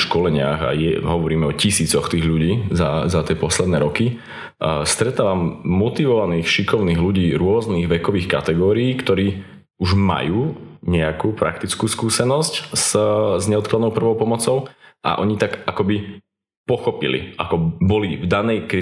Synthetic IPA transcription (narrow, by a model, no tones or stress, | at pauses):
ʃkɔlɛɲɪa̰ɣa̰jɛɦɔʋɔɾiːmɛɔcisiːt͡sɔxt̪iːɣʎuɟiːzazat̪ɪɛpɔslɛd̪nɛːɾɔki | st̪ɾɛt̪aːʋamːɔt̪iʋɔʋaniːxʃikɔʊniːɣluɟiːɾʊɔzniːɣʋɛkɔʋiːxkat̪ɛɡɔːɾiiːkt̪ɔɾiː | uʒma̰juːɲɛakuːpɾa̰kt̪it͡skuːskuːsɛnɔscz̥zɲɛɔt̪̚klad̪ɔʊpr̩ʋɔʊpɔmɔt͡sɔʊʔa̰ʔɔɲit̪aɡakɔbi | pɔxɔpilḭʔa̰kɔbɔlivd̪anɛjkɾi